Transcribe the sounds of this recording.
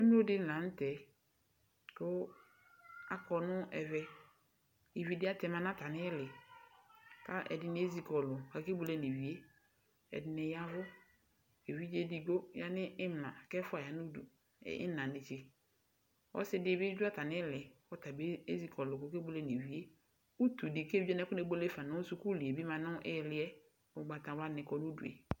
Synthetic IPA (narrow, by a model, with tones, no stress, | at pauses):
ɛ˦mɪ˦o˦dɪ˦n̩˦lã˨n̩˦tɛ˨ | kʊ˦ | a˨kɔ˨nʊ̃˦ɛ˨vɛ˦ | i˨vi˦dɪ˦a˦tɛ˨mã˦nã˦ta˨nɪ˦lɪ˨ | ka˦ʔɛ̰˨dɪ˨nɪ˨˦e˦zi˨kɔ˨lʊ˨ka˨ke˦bʊ˨lɛ˦ne˨vi˨e˦ | ɛ̰˨dɪ˨nɪ˨ja˦vʊ˦ | e˨vi˦d͡ʒe˦di˨ɡo˦ja˦nɪ̃˦ɪ˦m˨lã˨kɛ˦fʊ˦a˨ja˨nʊ̃˦dṵ˨ | ɪ̰˦nã˨nɪ̃˨t͡ʃʰe˨ | ɔ̰˦sɪ˦dɪ˦˨bɪ˦d͡ʒᶣu˦a˦tʰa˨nɪ̃˦lɪ˨ɔ˦ta˨be˦e˦zi˦kʰɔ˨lʊ˨kɔ˨ke˦bʊ˦le˦ne˨wi˨e˦ | u˦tu˨dɪ˨ke˦vi˦a˦nɛ̃˦kʊ˦ne˦bo˦le˦fa˨nʊ̃˦ʊ˦su˦ku˦li˨e˨bi˦mã˨nʊ̃˦ʔɪ˦˨lɪ˦ɛ˦ | ʊ˨ɡ͡ba˨tã˨wa˦nɪ̃˨kɔ˨nʊ̃˦dṵ˨ḛ˨